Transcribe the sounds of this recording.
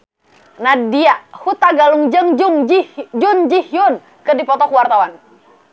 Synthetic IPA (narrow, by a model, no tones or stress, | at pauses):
nadiahut̪aɡaluŋd͡ʒəŋd͡ʒuŋd͡ʒid͡ʒund͡ʒihjun | kədipɔt̪ɔkuwart̪awan